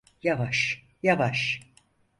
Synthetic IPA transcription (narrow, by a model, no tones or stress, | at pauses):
javaʃ | javaʃ